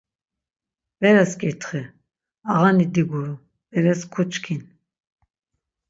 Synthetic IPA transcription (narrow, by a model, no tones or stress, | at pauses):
vɛɾɛskʼiɾt̪ʰχɛ | aʁanid̪iɡuɾu | bɛɾɛskʰut͡ʃʼkʰin